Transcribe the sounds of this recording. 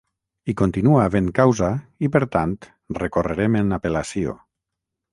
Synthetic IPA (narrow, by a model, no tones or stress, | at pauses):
ikont̪inuaːβenkawzaipəɾt̪ant̪ | rekoreɾemenapelasio̰